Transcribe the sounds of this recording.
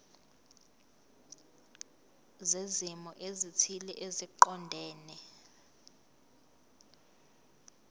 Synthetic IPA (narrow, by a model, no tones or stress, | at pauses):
zezimɔʔezitʰilɛʔeziǃɔndʱɛːnɛ